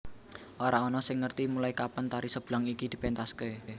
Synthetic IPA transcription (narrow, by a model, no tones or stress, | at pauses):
ʔoɾaɔnɔsɪŋːərt̪imulaikapənt̪aɾisəb̥laŋikid̪̥i̤pɛnt̪aske